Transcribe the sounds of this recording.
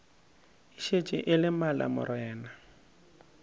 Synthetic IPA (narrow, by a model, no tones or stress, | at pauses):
ɪʃet͡ʃʼɪ̰ʔɪlɪmala̰mʊ̰ɾɛːna